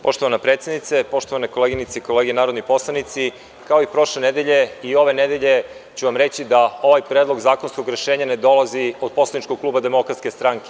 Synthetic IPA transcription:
po̞ʃt̪o̞ʋanapɾet̪sjed̪nit̪sepo̞ʃt̪oʋanekoleɡinit̪seiko̞le̞ːɡenaːɾod̪nipo̞slˠanit̪si | kaoipɾo̞ʃle̞ned̪eʎe̞io̞ʋe̞ned̪e̞ʎe̞ | t͡ɕuʋamɾet͡ɕid̪ao̞ʋajpɾed̪lˠo̞ɡzaːkonsko̞ɡɾe̞ʃeːɲane̞d̪o̞lˠazio̞d̪̥̚po̞slˠanit͡ʃkoɡ̚klˠuːbad̪e̞mo̞kɾat̪ske̞st̪ɾaŋke̥

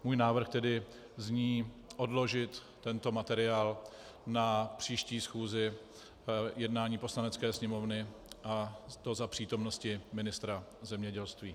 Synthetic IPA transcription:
muːjnaːvr̩xt̪ɛdɪ | zɲiːʔo̞dlo̞ʒɪt̪ːɛnt̪o̞mat̪ɛɾɪaːl | napr̝̥iːʃciːsxuːzɪ | jɛdnaːɲiːpo̞slanɛt͡skɛːsɲɛmo̞vnɪ | ʔat̪o̞zapr̝̥iːt̪o̞mno̞scɪmɪnɪst̪ɾazɛmɲɛɟɛlst̪viː

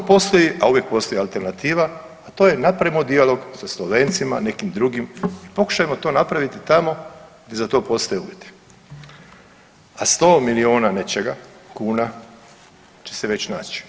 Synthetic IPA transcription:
opo̞st̪ojiʔauʋjek̚po̞st̪o̞jialt̪e̞ɾnat̪iːʋaː | t̪o̞ːje̞napɾemod̪ialo̞ɡsaslˠoʋe̞ːnt̪simane̞kimd̪ɾuɡimipo̞ku̥ʃajemo̞t̪o̞ːnapɾaʋit̪it̪amo̞ɡ̪ezat̪o̞ːpo̞st̪ojeuʋjet̪i̥ | ast̪o̞ːmilioːnane̞t͡ʃeɡakuːna | t͡ʃe̥seʋe̞t͡ɕnaːt͡ʃi̥

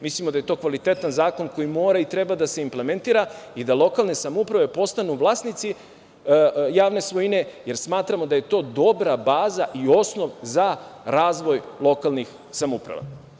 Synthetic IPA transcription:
mislimo̞d̪aje̞t̪o̞ːkʋalit̪e̞t̪anzaːko̞nko̞jimo̞ːɾait̪ɾe̞bad̪ase̞imple̞me̞nt̪iːɾaid̪alˠo̞kalˠne̞samoupɾaʋe̞po̞st̪anuʋlˠaːsnit̪si | jaːʋne̞sʋo̞jine̞je̞ɾsmaːt̪ɾamo̞d̪aje̞t̪o̞ːd̪o̞bɾabaːzaʔio̞sno̞ʋzaɾaːzʋo̞jlˠo̞kalˠnix | samupɾa̰ʋa̰

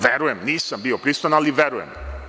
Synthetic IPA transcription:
ʋeɾujemniːsambiopɾisanaliʋeɾujem

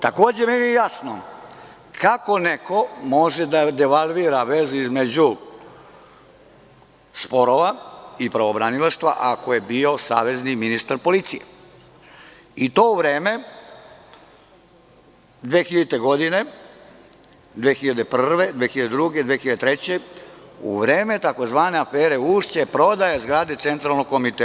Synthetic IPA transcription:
t̪akoːd͡ʑemeniejasno | kʰako̞neko̞moʒed̪ad̪eʋalˠʋiːɾaʋe̞zuizmed͡ʑu | spo̞ɾoʋaipɾaʋobɾanilaʃt̪ʋa̰ʔakoje̞bio̞sa̰ːʋe̞zniminist̪aɾpo̞lit̪sijḛ | it̪o̞uʋɾe̞ːme̞ | d̪ʋeːxiʎeit̪eɡo̞d̪ine̞ | d̪ʋeːxiʎad̪epr̩rʋe̞d̪ʋeːxiʎad̪ed̪ɾuɡe̞d̪ʋeːxiʎad̪et̪ɾet͡ɕe̞ṵʋɾe̞ːme̞t̪ako̞zʋaːne̞afeːɾe̞uːʃt͡ɕepɾo̞d̪ajazɡɾaːd̪et̪se̞nt̪ɾalnoɡ̚komit̪e

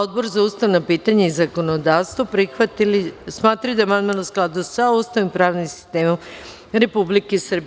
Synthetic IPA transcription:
od̪̚boɾzaust̪aʋnapiːt̪aɲaizako̞nod̪aːʋst̪ʋopɾixʋat̪ilismaːt̪ɾajud̪aemanmalosklˠad̪usaust̪aʋimpɾaːʋnimsi̥st̪e̞ːmom | ɾe̞publikesrb

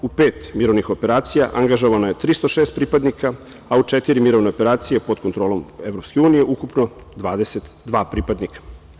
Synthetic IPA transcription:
upeːt̪miɾo̞ʋnixo̞pe̞ɾaːt̪sija̰ʔaŋɡaʒo̞ʋanoje̞t̪ɾist̪oʃeːst̪̚pɾiːpad̪nika | aut͡ʃet̪iɾimiɾo̞ʋneope̞ɾaːt̪sijepod̪kot̪ɾo̞ːlo̞me̞vɾopskeuːnije̞ʔukupno̞d̪ʋaːd̪eset̪d̪ʋaːpɾiːpad̪nikḁ

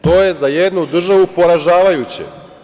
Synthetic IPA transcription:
t̪o̞ːjezajed̪nud̪r̩ʒaʋupo̞ɾaʒaːʋajut͡ɕḛ

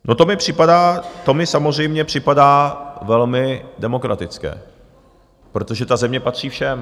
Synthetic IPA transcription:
no̞t̪o̞mɪpr̥ɪpadaːt̪o̞mɪsamo̞zr̝ɛjmɲɛpr̝̥ɪpadaːvɛlmɪdɛmo̞kɾat̪ɪt͡skɛ̰ː | pɾo̞t̪o̞ʒɛt̪azɛmɲɛpat̪r̥iːfʃɛm

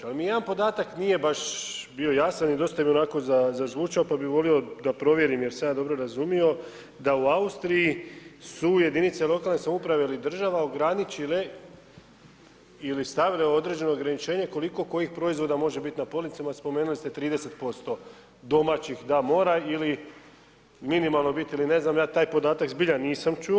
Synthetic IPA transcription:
almijed̪anpo̞d̪aːt̪aknije̞baʃbio̞jasanid̪o̞st̪abio̞nako̞zazazʋuːt͡ʃaopabiʋo̞lio̞d̪apɾo̞ʋje̞ɾimjeɾsejaːd̪o̞bɾo̞ɾazumio̞ | d̪auaust̪ɾijisuje̞d̪init̪selo̞kalnesamupɾaʋeilid̪r̩ʒaʋao̞ɡɾanit͡ʃile | ilist̪aʋileood̪ɾe̞ːd͡ʑe̞no̞oɡɾanit͡ʃe̞ːɲe̞ko̞liko̞ko̞jixpɾo̞izʋo̞d̪amo̞ʒe̞bit̪napolnit̪samaspo̞meːnulist̪e̞t̪ɾiːd̪e̞se̞t̪̚po̞st̪o̞ | d̪o̞mat͡ɕixd̪amo̞ːɾaili | minimalˠno̞bit̪iline̞znamjaːt̪aːjpo̞d̪aːt̪akzbiʎaniːsamt͡ʃu

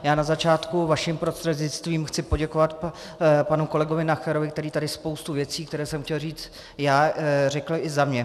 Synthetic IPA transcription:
jaːnazat͡ʃaːt̪kuvaʃɪmpɾo̞st̪r̥ɛd̪ɲɪt͡st̪viːmxt͡sɪpo̞ɟɛko̞vat̪ | panuko̞lɛɡovɪnaxɛɾo̞vɪk̚t̪ɛɾiːt̪adɪspowst̪uvjɛt͡siːkt̪ɛɾɛːsɛmxcɛlriːt͡s | jaːr̝ɛkl̩ʔɪzamɲɛ

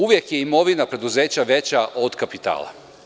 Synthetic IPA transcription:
uʋje̞kje̞imo̞ʋinapɾe̞d̪uze̞ːt͡ɕaʋe̞t͡ɕaʔod̪kapit̪a̰ːlˠa̰

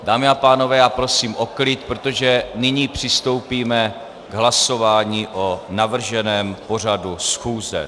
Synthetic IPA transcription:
daːmɪapaːno̞vɛːjaːpɾo̞siːmʔo̞klɪt̪̚pɾot̪o̞ʒɛnɪɲiːpr̝̥ɪst̪o̞wpiːmɛ | ɡɦlaso̞vaːɲiːʔo̞navr̩ʒɛnɛːmpo̞r̝adusxuːzɛ̰

